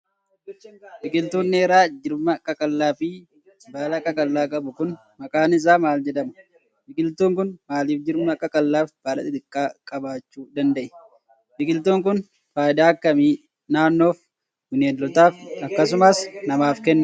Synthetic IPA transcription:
bɪkʼɪlt̪uːnːeːɾaːd͡ʒɪɾmɐkʼɐkʼɐlːaːfɪ | baːlɐkʼɐkʼɐlːaːkʼɐbʊkʊn | mɐkʼaːnɪs̬aːmaːld͡ʒɛd̪ɐmɐ̥ | bɪkʼɪlt̪uːŋk̬ʊnmaːliːfd͡ʒɪɾmɐkʼɐkʼɐlːaːfb̥aːlɐ̰t̪ɪt̪ɪkʼːaːkʼɐbaːt͡ʃːuːd̪ɐnd̪ɐʔɛ̥ | bɪkʼɪlt̪uːŋk̬ʊn | faːjd̪aːɐkːɐmiː | naːnːo̞ːf | wɪneːlːɔt̪aːfɐkːɐsʊmaːsnɐmaːfkɛnːɐ

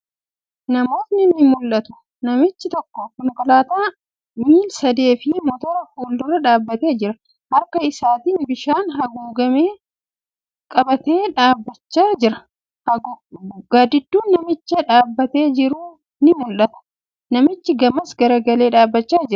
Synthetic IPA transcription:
nɐmo̞ːt̪nɪnɪmʊlʔɐt̪ʊ̥ | nɐmɪt͡ʃːɪt̪ɔkːɔkʊnkɐlaːt̪aː | miːlsɐd̪e̞ːfɪmɔt̪ɔɾɐhuːld̪ʊɾɐᶑaːbːɐt̪e̞ːd͡ʒɪɾɐ | hɐɾkɐɪsaːt̪iːnbɪʃaːnɦɐɡuːɡɐmeː | kʼɐbɐt̪eːᶑaːbːɐt͡ʃːaːd͡ʒɪɾɐ | hɐ | ɡaːd̪ɪd̪ːuːnːɐmɪt͡ʃːɐᶑaːbːɐt̪e̞ːd͡ʒɪɾuː | nɪmʊlʔɐt̪ɐ̥ | nɐmɪt͡ʃːɪɡɐmɐsɡɐɾɐɡɐle̞ːᶑaːbːɐt͡ʃːaːd͡ʒɪɾɐ

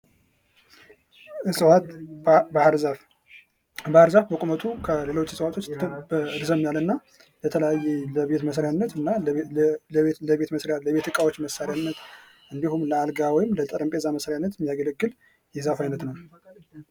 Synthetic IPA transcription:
ɨswat̪bahɾzaf | bahɾzafbəkʷʼumət̪ʰukʰəle̞lo̞t͡ʃːsəwat̪ʰot͡ʃːbɾzəmjalɨnːa | jət̪ʰələjajːɛləβe̞t̪məsɾjanːət̪ɨnːa | ləβet̪məsɾjaləβe̞t̪ɨkʼawo̞t͡ʃːməsːaɾjanːət̪ | ʔɨnd̪ihumləalɡawɔjɪmlət̪ʼəɾəmpʼe̞zaməsɾjanːət̪jɛmijaɡələɡːɨl | jɛzafajnət̪nəw

